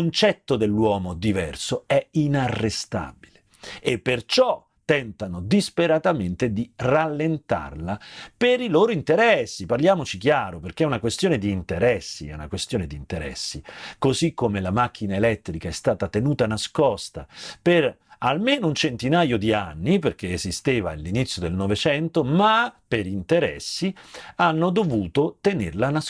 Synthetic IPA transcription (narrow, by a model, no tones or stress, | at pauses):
kont͡ʃɛt̪ːod̪elːwɔːmod̪ivɛrsoɛinarːest̪a̰bile | epːert͡ʃɔ | t̪ːɛnt̪anod̪ispeɾat̪ament̪ed̪iralːent̪a̰rlapeɾiloːɾoint̪eɾɛsːiparljaːmot͡ʃik̟jaːɾoperk̟eɛunakwest̪joːned̪iːnt̪eɾɛsːḭɛ̰una̰kwest̪joːned̪iːnt̪eɾɛ̰sːikozikːomelamak̟ːinaelɛt̪ːɾikaɛst̪aːt̪at̪enuːt̪anaskɔst̪a̰peralmeːnount͡ʃent̪inaːjod̪ianːiperk̟eezist̪eːvalːinit̪sːjod̪elnɔvet͡ʃɛnt̪omapeɾint̪eɾɛ̰sːianːod̪ovuːt̪ot̪enḛrlana